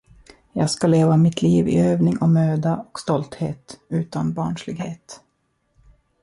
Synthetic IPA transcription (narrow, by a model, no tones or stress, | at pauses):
jɑːɡskaleːvamɪt̪ʰliːvɪ̰øːvnɪŋɔmøːd̪aɔkst̪ɔlt̪heːt̪ʉ̟ːt̪anbɑːɳʂlɪɡheːt̪